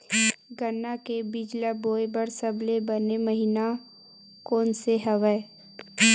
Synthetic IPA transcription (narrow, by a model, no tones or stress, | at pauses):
ɡənːakebɪd͡ʒlaboːebəɾsəblebəneməɦina | koːnseɦəʋəe